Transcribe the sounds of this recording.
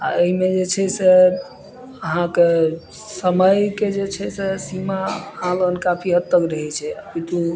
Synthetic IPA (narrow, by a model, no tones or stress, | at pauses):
a̰əɦimed͡ʒet͡ʃʰɛse | əɦãke | səməjked͡ʒet͡ʃʰɛsesimaãlənkapʰiɦət̪ːəkɾəɦɛt͡ʃʰɛəpit̪u